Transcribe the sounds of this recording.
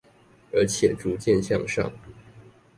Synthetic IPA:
ə˞˧˥t͡ɕʰjɛ˨˩ʈ͡ʂu˧˥t͡ɕjɛ˥˧nɕjɑ̰˥˧ŋʂɑ̰˥˩ŋ

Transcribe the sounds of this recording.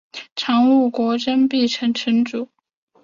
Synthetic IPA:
ʈ͡ʂʰɑ˧˥ŋu˥˩kwɔ˧˥ʈ͡ʂə˥npi˥˩ʈ͡ʂʰə˧˥ŋʈ͡ʂʰə˧˥ŋʈ͡ʂu˨˩˦

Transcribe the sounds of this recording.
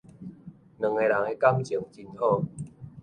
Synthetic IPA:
nɨ̃˨˩ŋe˧la˨˦ŋe˧ka˦mt͡ɕi˨˩˦ŋt͡ɕi˧nhɔ˥˧˨

